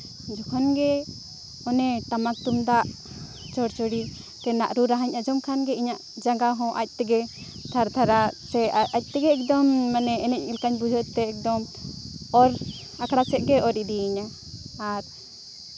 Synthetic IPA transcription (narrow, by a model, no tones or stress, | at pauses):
d͡ʒɔkʰɔnɡɛ | ɔnɛʈamak̚t̪umd̪aʔ | t͡ʃɔɽt͡ʃɔɽi | t̪ɛna̰ʔɾuɾaɦaɲʔad͡ʒɔmkʰanɡɛiɲaʔd͡ʒaŋɡaɦɔ̃ʔa̰c̚ˀt̪ɛɡɛ | t̪ʰaɾt̪ʰaɾasɛac̚ˀt̪ɛɡɛːk̚d̪ɔmːanɛɛnɛc̚ilkaɲbud͡ʒʱɔt̪ɛɛk̚d̪ɔm | ɔɾ | akɽasɛt̪̚ɡɛʔɔɾid̪iɲaː | ɾ